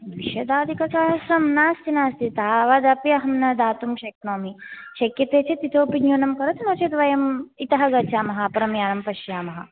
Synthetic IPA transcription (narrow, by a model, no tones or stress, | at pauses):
d̪ʋiʃɐd̪aːd̪ikɐkaːɦɐsɾɐmnaːst̪inaːst̪it̪aʋaːd̪ɐpjɐɦɐmnɐd̪aːt̪umʃɐk̚noːmiʃɐkjɐt̪eːt͡ʃet̪it̪oːpinjoːnɐmkɐɾɐt̪noːt͡ʃɐt̪ʋɐjɐmit̪ɐɦɐɡɐt͡ʃʰaːmɐɦɐpɐɾɐmjaːnɐmpɐʃjaːmɐɦɐ̰